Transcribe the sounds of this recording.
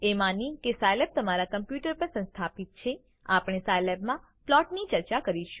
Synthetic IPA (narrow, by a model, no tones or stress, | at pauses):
emanikesajlɛp̚t̪əmaɾakəmpjuʈəɾpəɾsə̃nst̪ʰapit̪̚t͡ʃʰe | apɽ̃esajlɛbmã | plɔʈnit͡ʃəɾt͡ʃakəɾiʃu